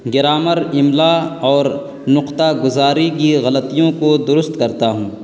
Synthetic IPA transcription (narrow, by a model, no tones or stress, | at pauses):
ɡɪɾaːməɾɪmlaɔːɾ | nʊqt̪aɡʊzaːɾikiɣɐlət̪ijõkod̪ʊɾʊst̪kɐɾt̪aɦũː